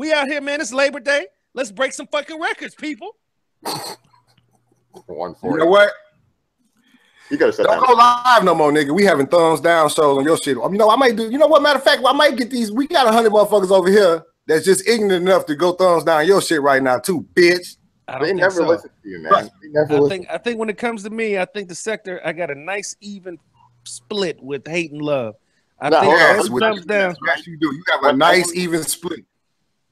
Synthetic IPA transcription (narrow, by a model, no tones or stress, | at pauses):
wiaʊt̚hiɹmæ̃nɪs̬leɪbə˞deɪ | lɨtsb̥ɹeɪksʌ̃ɱfʌkɪ̃ŋɹɛkə˞dz̥pʰipl̩ˠ | wʌ̰̃nfɨnoʊwʌt̚ | jɨɡʌɾɨsɛ̰ɡoʊlaɪvnoʊmɔɹnɪkəwihævɪ̃ŋθʌ̃nzdãʊ̃nsoʊzə̃njə˞ʃɪt̚a̰ɨnoʊaɪmaɪt̚d̥ɨjɨnoʊwʌt̚mæɾəfæk̚t̚waɪmaɪt̚ɡ̥ɛt̪̚ðizwiɡɑɾəɦʌ̃ndɹəd̚mʌ̃nfʌkəzoʊvə˞hiɹ | ðɨtsd̥ʒ̥ʌstɪɡŋ̩ɨɨnʌftɨɡoʊθʌ̃mzdãʊ̃ɨ̃njəʃɪt̚ɹaɪtⁿnaʊtʰub̥ɪtt͡ʃ | aɪd̃eɪnɛvə˞lɪsn̩tʰɨjɨ̰n̰ʌnɛvəɪ̃ŋkaɪθɪ̃ŋk̚wə̃nɨt̚kʰʌ̃mz̥tʰɨmiaɪθɪ̃ŋk̚ðɨsɛk̚tə˞ʔa̰ɪɡɑɾɨnaɪsivɨ̃n | splɪt̚wɪð̥heɪɾn̩lʌv̥ | ʔa̰ɪɪ̃æwʌ̃mzdãʊ̃næɨdɨjɨːvənaɪsivɨ̃nsplɪt̚